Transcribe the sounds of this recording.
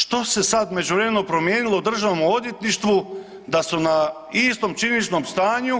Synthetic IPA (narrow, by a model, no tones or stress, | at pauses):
ʃt̪o̞se̞sad̪me̞d͡ʑuʋɾemenopɾo̞mjeːnilˠod̪r̩ʒaʋomo̞d̪jet̪niʃt̪ʋu | d̪asuna | ist̪omt͡ʃinit͡ʃno̞mst̪aːɲu